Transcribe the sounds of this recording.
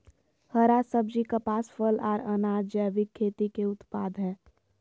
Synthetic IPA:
həɾasəbd͡ʒikapaːsfəlɔːɾənaːd͡ʒd͡ʒɛːʋɪkʰːeːt̪ikeʊt̪paːd̪ɦɛː

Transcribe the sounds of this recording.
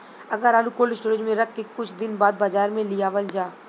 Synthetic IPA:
ɐɡəɾaːlukoːlɪsʈoːɾɪd͡ʒmẽɾɐkʰːekʊt͡ʃʰd̪ɪnbaːd̪̚bɐd͡ʒaːɾmẽlɪjaːʋəld͡ʒaː

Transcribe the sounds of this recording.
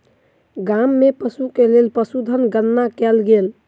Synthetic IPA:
ɡamːepəsukelelpəsud̪ʱənɡənːakɛlɡel

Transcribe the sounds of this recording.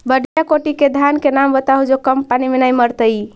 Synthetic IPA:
bəɖijakoʈiked̪ʱankenambət̪aɦud͡ʒokəmpanimenajməɾt̪əj

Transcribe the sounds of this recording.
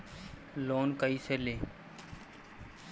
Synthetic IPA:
loːnkaiːseːleː

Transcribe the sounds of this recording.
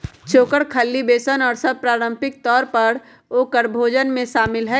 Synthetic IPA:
t͡ʃʰoːkəɽkʰəlːibeːsənɔːɾsəb̚pɾaːɾə̃mpɪk̚t̪ɔːɾpəɾ | oːkəɾbʱoːd͡ʒənmẽʃaːmɪlɦɛ

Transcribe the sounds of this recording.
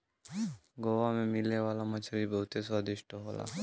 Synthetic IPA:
ɡoʋamemilewalamət͡ʃʰaɾibəɦut̪esad̪iʃʈʰoɦɔla̰

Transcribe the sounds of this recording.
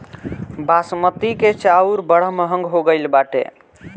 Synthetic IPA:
basmət̪iket͡ʃauɾbəɽ̤əməɦəŋɡɦoɡəjlbaʈḛ

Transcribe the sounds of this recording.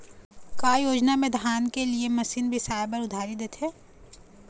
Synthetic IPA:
kaːjoːd͡ʒnamẽd̪ʱaːnkeliemɐsiːnbʱisaːjbəɾʊd̪ʱaːɾid̪eːt̪ʰeː

